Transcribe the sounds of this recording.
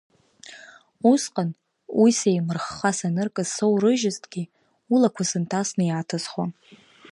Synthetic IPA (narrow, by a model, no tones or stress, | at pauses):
usqʼan | wʔisejmɨrχːasanɨrkʼɨzsowrɨʒɪztʰʼɡʲi | ulakʷʰasɨntʰasnɨjatʰasχwa